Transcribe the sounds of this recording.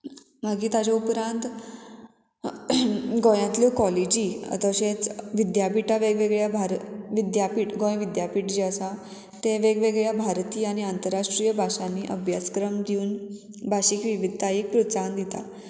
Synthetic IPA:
maɡiːt̪ad͡ʑaupɾãnt̪ | ɡojãnt̪ljokɔlid͡ʑiːə̰t̪əɕẽt͡sʋid̪japiʈaʋeɡʋeɡɭjabʱaɾʋid̪japiʈɡõjʋid̪japiʈd͡ʑeəsa | t̪ẽʋeɡʋeɡɭjabʱaɾt̪iːañiant̪əɾaʂʈɾijəbʱaʂanːiːʔəbʱjat͡skɾəmd̪iuːn | bʱaɕikʋiʋid̪ʱːajik̚pɾut͡sand̪it̪a̰

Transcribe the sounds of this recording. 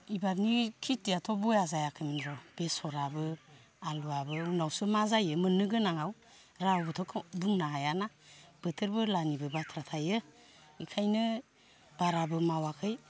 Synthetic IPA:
ibap̚nikʰitijatʰɔbɔjazajakʰɯjminɾɔb̥esɔɾabɯ | aluabɯunawsɯmazajɯmɯnːɯɡɯnaŋaw | ɾawbɯtʰɔkʰbuŋnaɦajana | b̥ɯtʰɯɾbɯlanibɯbatʰɾatʰajɯ | ikʰajnɯ | b̥aɾabɯmawakʰɯj

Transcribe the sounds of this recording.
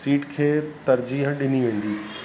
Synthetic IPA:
siːʈkʰeːt̪ɐɾd͡ʑiːɦɗɪniʋẽːn̆d̪iː

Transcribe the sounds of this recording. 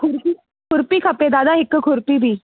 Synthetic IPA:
kʰuɾpi | kʰuɾpiːkʰaped̪ad̪aɦekːəkʰoɾpiːbʱiː

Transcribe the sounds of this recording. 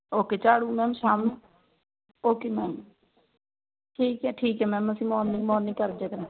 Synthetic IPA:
oːkeːt͡ʃaːɽũːmɛːmʃaːm | oːkeːmɛːm | ʈʰiːkɦɛːʈʰiːkɦɛːmɛ̃ːməsĩːmɔːnːĩːmɔːnɪ̃kəɾd͡ʒeːkənː

